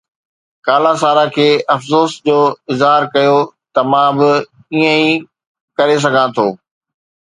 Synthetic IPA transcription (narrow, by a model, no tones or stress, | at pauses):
kaːlas̬aːɾakʰeːʔɐfsoːsd͡ʑoːɪzɦaːɾkɐjot̪ɐmãbɪ | iːə̃i | kɐɾes̬ɐɡʱãt̪ʰoː